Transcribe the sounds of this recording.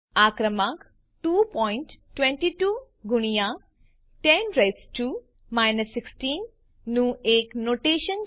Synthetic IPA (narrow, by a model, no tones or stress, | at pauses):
aːkɾəmak | ʈuːpɔjɪɳʈːwẽɳʈiʈuː | ɡuɽ̃ija | ʈenɾajsʈuː | majnɐsːiksʈiːnː | ũeːknoːʈeːʃən